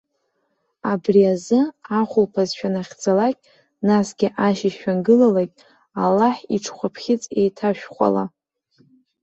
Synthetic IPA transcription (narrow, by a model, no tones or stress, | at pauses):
abriazɨaχʷʊlpʰazʃᶣanaχʲd͡zalakʲʼ | nasɡʲɪʔaʃiʃᶣanɡɨlalakʲʼ | alːaħiʈ͡ʂʰχʷapʰχʲɪt͡sʼe̞jtʰaʃᶣχʷa̰la̰